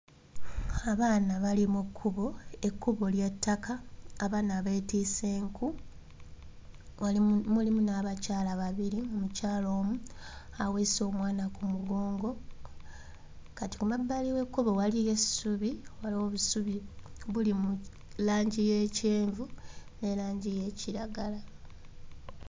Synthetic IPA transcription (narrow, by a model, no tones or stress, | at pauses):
aβaːnaβalimukʰːuβo̞ekːuβo̞ljetːakaːβaːnaβetiːseːŋku | amulimunaβacaːlaβaβiɾiumucaːlo̞ːmuaweso̞ːmwaːnakumuɡo̞ːŋɡo̞ | kati̥kumabːaliwe̞kːuβowalije̞suβiwaloβusuβiβulimu | laːɲɟije̞ːceːɱvune̞laːɲɟije̞ːciɾaɡala